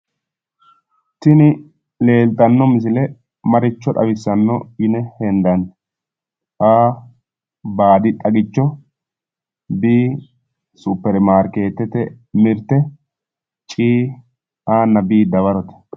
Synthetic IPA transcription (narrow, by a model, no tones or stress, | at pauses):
t̪ɪnɪ | le̞ːlt̪ʼɐnːɔmɪs̬ɪlɛ | mɐɾɪt͡ʃːɔᶑɐ̰bɪsːɐnːɔɪnɛhɛnd̪ɐn | aː | baːd̪ɪt̪ʼɐɡɪt͡ʃːɔ | biː | supːɛɾmaːɾkeːt̪ːɛt̪ɛmɪɾt̪ːɛ | t͡ʃʼiː | aːnːɐbiːd̪ɐβɐɾɔt̪ɛ̥